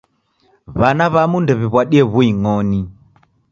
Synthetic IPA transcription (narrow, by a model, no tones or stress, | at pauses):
βanaβamundɛβiβwaɗiɛβuiŋɔni